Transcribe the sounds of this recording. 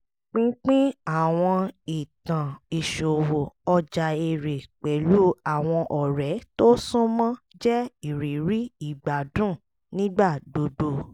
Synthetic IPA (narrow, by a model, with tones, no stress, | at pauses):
k͡pĩ˦k͡pĩ˦a˦˨w̃ɔ̃˧i˨tã˨i˨ʃo˨wo˨ɔ˧d͡ʒa˨e˧˨ɾe˨k͡pɛ˨˦lu˨˦a˦˨w̃ɔ̃˧ʔɔ˨ɾɛ˨˦to˦sũ˦mã˦ | d͡ʒɛ˦i˨ɾi˨ɾi˨˦i˦˨ɡ͡ba˨dũ˦˨ | nĩ˦ɡ͡ba˦˨do˨˧do˨